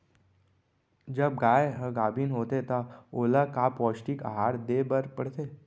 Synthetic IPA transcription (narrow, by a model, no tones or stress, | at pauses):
d͡ʒɐb̚ɡaːeɦɐɡaːbinɦoːt̪et̪aoːlakaːpɔːsʈika̰ɦaːɾd̪eːbəɾpəɽ̤t̪eː